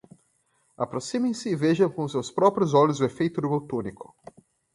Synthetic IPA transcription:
apɾosĩmẽj̃sɪːveʒɐ̃w̃kõʊsewspɾɔpɾjʊzɔlʊzʊefejt̪ʊd̪ʊmewt̪unikʊ̥

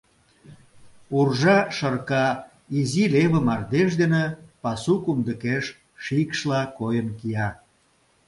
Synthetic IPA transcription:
urʒɑʃərkɑ | izileβəmɑrd̪eʃ̬d̪enepɑsukumd̪əkeʃ | ʃikʃlɑkojənkijɑ

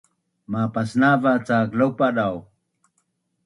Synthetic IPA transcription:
mapasnavat͡saklawpaɗaw

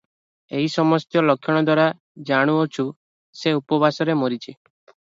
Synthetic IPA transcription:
eɦisɔmɔst̪jɔlɔkʰjɔɽ̃ɔd̪waɾa | d͡ʒaɽ̃uot͡ʃʰu | seupɔbʱasɔɾemɔɾit͡ʃʰi

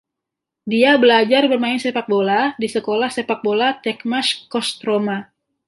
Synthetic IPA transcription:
diabəlad͡ʒarbərmaɪnsepak̚boladisəkolahsepak̚bolat̪ɛkmaskɔst̪ɾoma

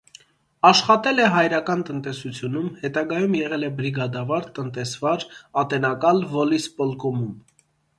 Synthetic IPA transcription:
ɑʃχɑt̪ɛlɛɦɑjɾɑkɑnt̪ənt̪ɛsut͡sʰjunumhɛt̪ɑɡɑjumjɛʁɛlɛbɾiɡɑd̪ɑvɑɾt̪ənt̪ɛsvɑɾɑt̪ɛnɑkɑlvɔlispɔlkɔmum

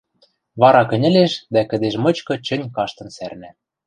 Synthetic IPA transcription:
βɑɾɑkɘ̆nʲɘ̆leʃd̪ækɘ̆d̪eʃmɤ̆t͡ɕkɤ̆t͡ɕɘ̆nʲkɑʃt̪ɤ̆nsærnæ

